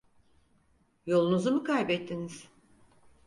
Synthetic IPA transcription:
jo̞lˠunuzumukʰajbɛt̪ʰːiniz̥

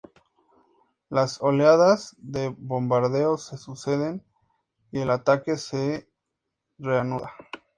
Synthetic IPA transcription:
laso̞leaðazðe̞βo̞mbaɾðe̞ose̞suse̞ðe̞n | ie̞lat̪ake̞se̞ | re̞anuða

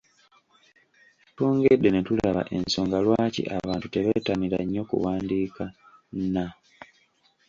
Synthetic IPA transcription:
toːŋɡedːe̞netulaβa̰ʔe̞nso̞ːŋɡalwaːcḭʔaβaːntute̞βeːtaniɾa̰ɲːo̞kṵwaːndiːka | na

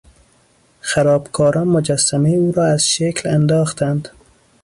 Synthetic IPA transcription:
xæɾɒːbkʰɒːɾɒːnmod͡ʒæsːæmeuːɾɒːæz̥ʃeklænd̪ɒːxt̪ænd̪

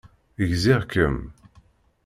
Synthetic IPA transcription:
əʝziʁkəm

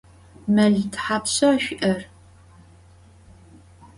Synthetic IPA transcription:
mɐɮtʰħaːpɕɐʃʷʔɐr

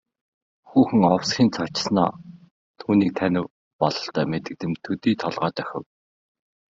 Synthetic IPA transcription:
xuːxɘ̆ŋɔwsxʲiːnt͡sʰat͡ɕ̆sna̰ː | t̪ʰuːniːk̚t̪ʰænʲɪ̆w | pɔɮɞ̆ɬt̪œːmet̪ɘ̆k̚t̪ɘ̆mt̪ʰɵt̪iːt̪ʰɔɮʁœːt̪œxʲɪ̆w

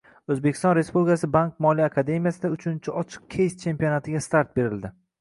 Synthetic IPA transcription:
ɵzbekʲɪ̥st̪ɒnɾe̞spublʲɪkʰasɪbankmɒlijakʰad̪e̞mijasɪd̪aʊt͡ʃʰʊnt͡ʃʰɪɒt͡ʃʰɨ̥q̚kʲʰe̞jst͡ʃʰe̞mpijonat̪ʰɪɡʲast̪aɾt̪̚be̞ɾɪld̪ɪ

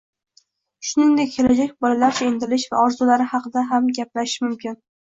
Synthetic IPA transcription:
ʃʊnɪŋd̪ek̚ʲkʰʲːe̞lad͡ʒakʲbɒlalaɾt͡ʃʰaend̪ɪlɪʃva̰ʔɒɾzʊlaɾɪhɑqɨd̪aɦamɡʲaplaʃmʊmkʲʰɪn

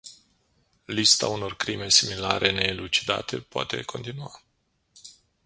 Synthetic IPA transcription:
list̪a̰uno̞rkɾime̞similaɾʔe̞ne̞ːlut͡ʃi̥d̪a̰t̪e̞poa̰t̪e̞̰kʰo̞̰nt̪inua

